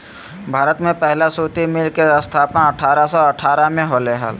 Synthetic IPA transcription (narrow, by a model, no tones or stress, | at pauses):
bʱaːɾət̪mẽpɛɦlasuːt̪imɪlkeəst̪ʰaːpənəʈʰaːɾasɔːəʈʰaːɾamẽɦoleɦə̰l